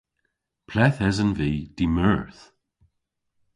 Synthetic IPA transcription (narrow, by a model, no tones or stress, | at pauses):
pʰlɛθɛzənviːd̪̥iməɹθ